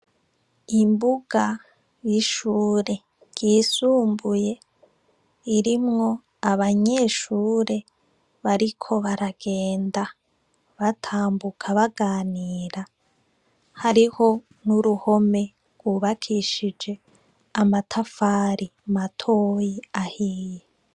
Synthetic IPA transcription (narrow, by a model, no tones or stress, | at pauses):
imbuɡa | jiʃuːɾe̞ | ɡ̥iːsuːmbuje̞ | iɾimŋo̞ | aβaɲe̞ʃuːɾe̞ | βaɾikʰo̞βaɾaɡ̥e̞ːnda | βatʰaːmbukʰaβaɡaːniːɾa | haɾiho̞ | nuɾuho̞me̞ | ɡ̥wuβakʰiʃid͡ʒe̞ | amatʰafaːɾimatʰo̞jiahiːje